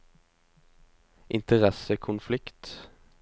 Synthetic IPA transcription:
ʔɪnt̪əʁɛsəkʰʊnflɪkt̪

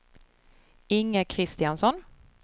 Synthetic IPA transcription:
ɪŋːəkʰɾɪst̪ɪansɔn

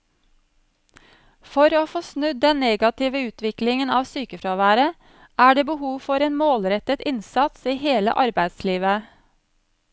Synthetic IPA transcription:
fɔɾoːfoːsnʉd̪̚d̪ɛnneːɡɑt̪ɪːʋəʉːt̪ʋɪklɪŋənɑːʋsyːkəfɾɑːʋæːɾə | ʔæːɖeːbəhuːʋfɔɾeːnmoːlɾɛt̪ət̪ɪnsɑt̪siːheːlə̰ʔɑɾbæɪd̪sliːʋə

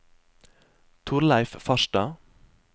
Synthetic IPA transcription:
t̪ʰʊɾlæɪffɑʃtɑː

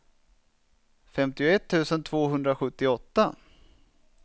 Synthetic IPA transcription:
fɛmt̪ɪʊɛt̪ʰːʉ̟ːsənt̪ʰvoːɦɵnd̪ɾaɧɵt̪ːɪɔt̪ːa

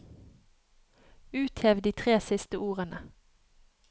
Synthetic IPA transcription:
ʉːt̪hɛʋd̪iːt̪ʰʁeːsɪst̪əʔuːʁənə

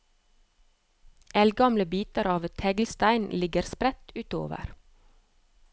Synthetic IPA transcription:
ʔɛlɡɑmləbiːt̪əɾɑːʋt̪ʰɛɡlst̪æɪnlɪɡəɾspɾɛt̪ʉːt̪o̰ːʋə̰ɾ

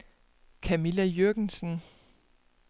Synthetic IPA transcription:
kʰæmilæjøɡ̥n̩sn̩

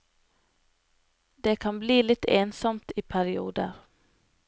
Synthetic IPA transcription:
d̪eːkʰɑnbliːlɪt̪ʰeːnsɔmt̪iːpʰæɾɪuːd̪ə̰ɾ

